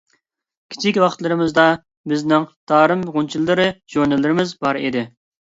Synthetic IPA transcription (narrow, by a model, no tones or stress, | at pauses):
kʲʰi̥t͡ʃʰikʲwɑχt̪lˠɨɾɨmɨzd̪ɑ | bɪznɪŋt̪ʰɑːɾɨmʁunt͡ʃʰilˠːɨɾɨʒ̥uɾnɪlːɪɾɪmɪzbɑɾed̪ɪ